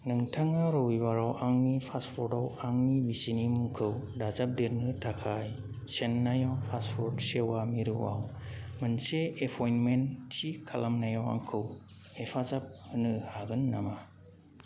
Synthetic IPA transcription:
nɯŋtʰaŋaɾowibaɾawʔaŋnipʰaspʰɔɾdawaŋnibisinimuŋkʰɯwdazap̚deɾnɯtʰakʰaj | senːajawpʰaspʰɔɾdsewamiɾɯwa̰wmɯnseepʰɔjnmentʰikʰalamnajawa̰ŋkʰɯw | epʰazap̚hɯnɯhaɡɯnːama

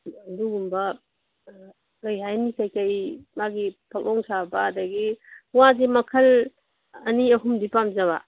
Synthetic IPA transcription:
duɡumbɐ | lajɦajnikajkajmaɡipʰak̚ʔɔŋsabaːdaɡiwazimɐkʰɐl | ɐniɐhumdipamzaβa̰

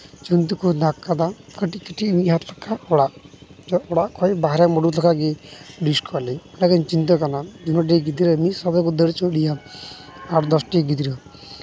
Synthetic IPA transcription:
t͡ʃunt̪̬ukud̪akːad̪akəʈikəʈimiɦat̪lɔkːaɔɽaʔd͡ʒɔɔɽaʔkɔibaɦɾɛmɔɖut̪ʰɔkaɡiɖiskɔlilɛkint͡ʃint̪̬ɔkanad͡ʒ̪unɔʈ̬iɡid̪iɾɔmisɔbɛkud̪əɽt͡ʃɔɽija | aʈd̪ɔsʈiɡit̪iɾɔ

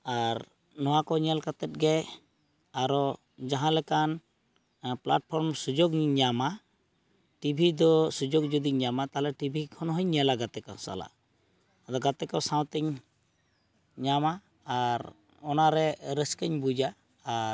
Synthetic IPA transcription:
aɾ | nɔwakɔɲɛlkat̪ɛt̪̚ɡɛ | aɾɔ | d͡ʒaɦãlɛkan | plaʈ̚pʰɔɾmsud͡ʒoɡɲama | ʈibʱid̪ɔsud͡ʒoɡ̚d͡ʒud̪iɲamat̪aɦalɛʈibʱikʰɔnɔɦɔɲːɛlaɡat̪ɛkɔ̰sa̰la̰ | ad̪ɔɡat̪ɛkɔsãw̃t̪ɛɲ | ɲamaː | ɾ | ɔnaɾɛɾəskəɲbud͡ʒaː | ɾ

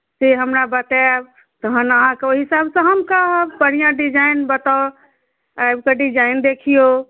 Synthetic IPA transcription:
seɦəmɾabət̪ɛb | t̪əɦənəɦãkeoɦisabsə̃ɦəmkapəɽ̤ijãɖid͡ʒajnbət̪a | ajbkeɖid͡ʒaɪnd̪ekʰijo

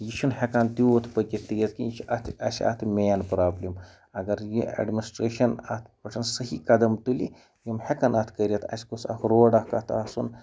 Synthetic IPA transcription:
jiʃunhekant̪it̪ʰpɐkʲit̪ːijɐt̪kijiʃɐt̪ʰɐ̰sʲiɐ̰t̪ʰmʲeːnpɾaːblʲim | ɐɡɐɾjiɐ̰ɖminisʈɾeːʃɐnɐ̰t̪ʰpɐʈʰɐnsɐɦikɐd̪ɐmt̪ulḭ | jimhekɐnɐt̪ʰkɐɾʲiɐt̪ʰɐ̰sʲkusɐ̰t̪ʰɾoːɖɐhkɐt̪ʰɐsun

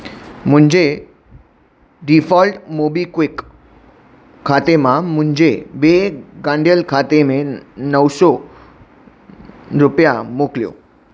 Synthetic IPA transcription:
m̤uɳd͡ʑe | ɖifɔlʈmobikʋik | kʰːat̪emam̤uɳd͡ʑeʋeɡãɳɖjəlkʰat̪emenəwsɔ | ɾupjamokljo̰

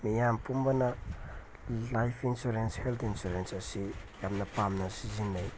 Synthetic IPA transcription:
mijampumbana | lajfʰinsoɾenshelt̪insoɾensasijamnapamnasizindaj

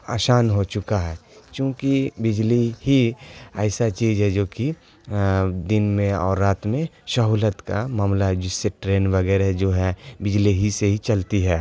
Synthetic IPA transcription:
a̰ːʃaːnɦot͡ʃʊkaɦɛːkjõːkibɪd͡ʒliɦiɛːsat͡ʃiːzɦɛd͡ʒoːki | d̪ɪnmẽɔ̰ːɾːaːt̪mẽʃɐɦuːlət̪kamaːmlaɦɛd͡ʒɪsːeʈɾeːnʋɐɡɛːɾɦɛd͡ʒoːɦɛbɪd͡ʒliɦiseɦit͡ʃɐlt̪iɦɛː

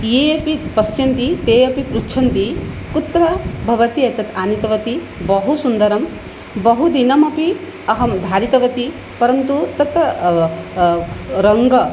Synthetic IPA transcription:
jeːjɐpipɐsjɐnt̪it̪eːjɐpipɾutːt͡ʃʰɐnt̪ikut̪ɾɐbʱɐʋɐt̪iɐjt̪ɐt̪aːnit̪ɐʋɐt̪i | bɐɦusund̪ɐɾɐm | bɐɦud̪inɐmɐpi | ɐɦɐmd̪ʱaːɾit̪ɐʋɐt̪i | pɐɾɐnt̪ut̪ɐt̪ | ɾɐŋɡɐ

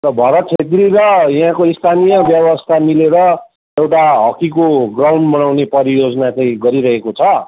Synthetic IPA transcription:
rʌbʱʌɾʌt̪ʰet̪ɾiɾʌjɦãkoist̪ʰanijʌbjʌwʌst̪ʰamileɾʌ | ewʈaɦʌkikoɡrawɳɖbʌnawnepʌɾijod͡zʌnat͡sãĩɡʌɾiɾʌɦekot͡sʰʌ

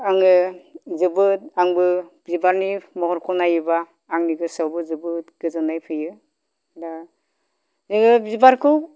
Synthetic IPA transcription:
aŋɯzɯbɯt̚aŋbɯbzibaɾnimɔkɔɾkʰɔnajɯbaː | ŋniɡɯsawbɯzɯbɯtɡ̥ɯzɯnajpʰɯjɯ | da | zɯɡɯbzibaɾkʰɯw

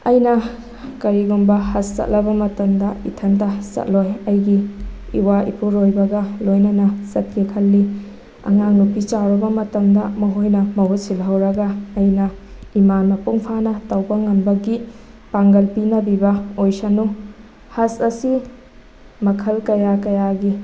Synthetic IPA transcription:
ɐjnɐ | kɐɾiɡumbɐhɐsːɐ̰t̚lɐbɐmɐtɐmdɐitʰɐntɐsɐ̰t̚lojɐjɡiːwaḭpʰuɾojbɐɡɐlojnɐnɐsɐt̚kekʰɐlːi | ɐ̰ŋaŋnupit͡ʃawɾɐbɐmɐtɐmdɐmɐɦojnɐmɐwɐsilɦɐwɾɐɡɐːjnɐimanmɐpuŋpʰanɐtɐwbɐŋɐmbɐɡi | paŋɡɐlpinɐbibɐojsɐnu | hɐsɐsi | mɐkʰɐlkɐjakɐjaɡi

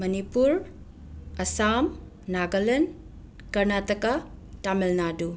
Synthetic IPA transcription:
mɐnipuɾ | ɐsam | naɡɐlen | kɐɾnatɐkɐtamelnadu

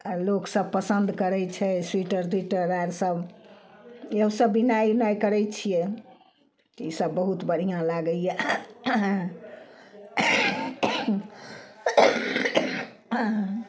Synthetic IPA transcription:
loksəb̚pəsənd̪ʱkəɾɛt͡ʃʰɛswiʈəɾd̪wiʈəɾaɾsəb | eɦũsəbːinajnajkəɾɛt͡ʃʰijɛ | t̪isəbːəɦut̪bəɽ̤ijãlaɡəljɛ

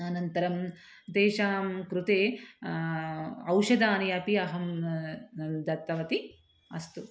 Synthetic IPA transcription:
ɐnɐnt̪ɐɾɐm | d̪eːʃaːmkɾut̪eː | ɐwʃɐd̪aːnɐjɐːpiɐɦɐm | d̪ɐt̪ːɐʋɐt̪i | ɐ̰st̪u

